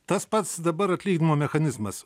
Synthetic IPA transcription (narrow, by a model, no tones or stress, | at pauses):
t̪ɐspɐt̪sd̪ɐbɐɾɐt̪ʲlʲiːɡʲnʲɪmoːmʲɛxɐnʲɪzmɐs